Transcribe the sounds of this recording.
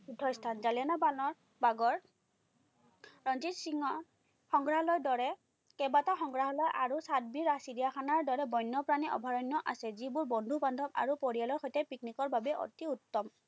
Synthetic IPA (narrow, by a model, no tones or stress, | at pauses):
udʱɔjstʰanzalijanabanɔɹ | baɡɔɹ | ɹɔnzitsiŋɔ | xɔŋɡɹaɦɔlɔjdɔɹɛ | kɛbataxɔŋɡɹaɦɔlɔjʔaɹusad̚biɹasidijaxʰanaɹdɔɹɛbɔjnːɔpɹaniʔɔ̰bʱaɹɔnːɔʔasɛzibʊɹbɔndʱubandʱɔba̰ɹupoɹijalɔɹxɔjtɛpiknikɔɹbabɛʔɔ̰tiutːɔm